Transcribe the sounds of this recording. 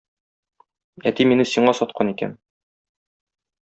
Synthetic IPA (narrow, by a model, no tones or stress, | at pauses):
æt̪iminɘsiɴɑsɒt̪̚qʰɑnikæ̰n